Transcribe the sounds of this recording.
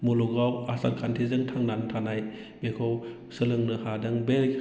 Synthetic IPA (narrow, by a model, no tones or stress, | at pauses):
moluɡawasa̰t̚kʰantʰezɯŋtʰaŋnantʰanaj | bekʰɔw | sɯlɯŋnɯhadɯŋbel